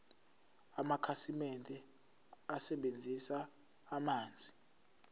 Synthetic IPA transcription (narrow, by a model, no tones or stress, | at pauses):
amakʰasimɛntʼɛ | asɛɓend͡zʱisaː | maːnd͡zʱi